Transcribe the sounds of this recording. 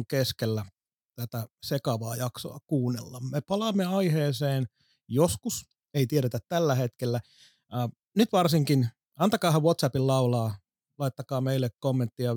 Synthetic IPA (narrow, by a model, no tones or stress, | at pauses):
ŋkeskelːæ | t̪æt̪æsekɑʋɑːjɑkso̰ɑkuːnːḛlːɑmmepɑlɑmːeɑiheːseːn | joskus | eit̪ieɾet̪æt̪t̪ælːæhet̪kelːæː | nyt̪ʋɑrsiŋkin | ɑnt̪ɑkɑːhɑʋʋot̪sæpillɑulɑː | lɑit̪ːɑkɑːmeilːekkomːent̪ːiɑ